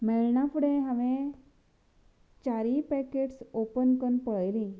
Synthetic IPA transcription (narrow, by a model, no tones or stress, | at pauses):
meɭɳapuɽẽɦãʋẽ | t͡ɕaɾipɛkeʈsopənkənpəɭjlĩ